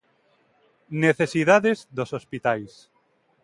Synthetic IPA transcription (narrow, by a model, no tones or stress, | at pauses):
neθesiðaðezðosospit̪ajs